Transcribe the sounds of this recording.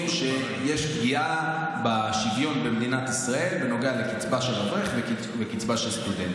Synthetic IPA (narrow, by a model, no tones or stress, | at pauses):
ʃe | jeʃpɡiʔa | baʃivjo̞nbemd̪inat̪isʁae̞lveno̞ɡealekit͡sbaʃeloχeχvek | vekit͡sbaʃelst̪ud̪ent